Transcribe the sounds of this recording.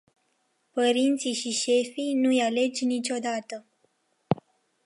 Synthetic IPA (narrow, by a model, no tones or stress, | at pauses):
pəɾint̪sijʃiʃe̞fijnujale̞d͡ʒʲnit͡ʃʲo̞d̪at̪ə